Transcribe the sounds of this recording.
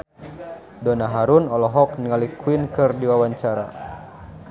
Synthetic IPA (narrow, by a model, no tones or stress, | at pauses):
dɔnaɦaɾunɔlɔɦɔk̚niŋalikuwinkɨrdiwawaɲt͡ʃaɾa̰